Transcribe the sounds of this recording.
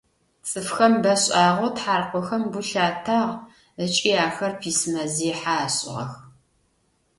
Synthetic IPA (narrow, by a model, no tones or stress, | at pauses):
t͡sʼɨfxɐmbɐɕʼaːʁotħaːrqʷɔxɐmbʊɬaːtʰaːʁ | ət͡ʃʼiːaːxɐrpʰiːsɨmɐziːħaɕʼɪ̰ʁɐ̰x